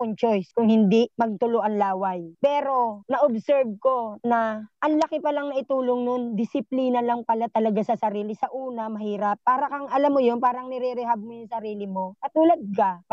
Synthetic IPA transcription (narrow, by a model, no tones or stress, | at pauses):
kʊŋt͡ʃojskʊŋhɪnd̪imɐɡ̚t̪ʊlʊʔɐnlaːwajpɛːɾo̞nɐʔobsɛɹb̚ko̞nɐʔɐŋlɐkɪpɐlaŋnɐʔɪt̪uːloŋnond̪ɪsɪpliːnɐlɐŋpɐlat̪ɐlɐɡasɐsɐɾiːlɪsɐʔuːnɐmɐhiːɾɐp̚ːaːɾɐkɐŋɐlamːojonpaːɾɐŋnɛɾɛɾɛhab̚mojʊŋsɐɾiːlɪmo̞kɐt̪uːlɐd̪̚ka